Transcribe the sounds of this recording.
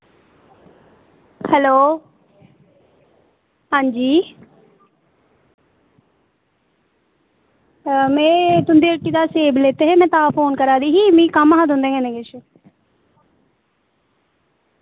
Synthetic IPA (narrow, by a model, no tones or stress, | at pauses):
hɛloː | ɦãːɲd͡ʒiː | mɛ̃ːt̪ʊnd̪eːəʈːiːd̪aːseːbleːt̪eːɦeːmɛ̃ːt̪ãːpʰoːnkəɾaːd̪iːɦiːmĩːkəmaɦãːd̪ʊ̃nd̪ẽːŋɡeːneɡeʃə